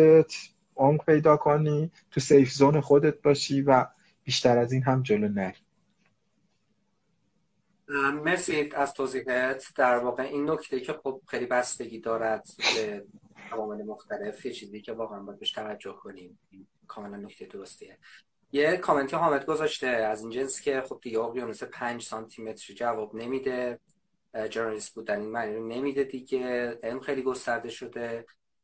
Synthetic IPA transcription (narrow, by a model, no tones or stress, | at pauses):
et̪ʰ | omɾpʰe̞jd̪ɒːkʰoniːt̪ʰusejfzoːnexod̪et̪̚bɒːʃiːvæ | b̥iːʃt̪æɾæziːnɦæmd͡ʒoloːnæɾi | meɾsid̪æz̥t̪ʰoːziːɦet̪ʰd̪̥æɾvɒːɣeʔiːnːocʰt̪ʰeicʰe̞xob̥̚xejliːbæst̪e̞ɟiːd̪ɒːɾæd̪̥beævɒːmelemoxt̪æle̞fjet͡ʃʰiːzijicʰe̞vɒːɣeænmbɔjæd̪̚beʃt̪ʰævæd͡ʒːohkʰonim | in | kʰɒːmelænːocʰt̪ejed̪oɾost̪ʰije | jekʰɒme̞nt̪ʰeɦɒːmed̪ɡo̞zɒʃt̪e̞æzind͡ʒenscʰeχob̚d̪̥iɟevɒːɣijɒnusepʰænd͡ʒsɒnt̪ʰimet̪ʰɾid͡ʒævɒːbne̞miːd̪e̞ | d͡ʒeɾnɒlist̪̚buːd̪æninmæniɾone̞miːd̪ed̪iɟe̞ʔelmxejliːɡo̞st̪æɾd̪e̞ʃo̞d̪e̞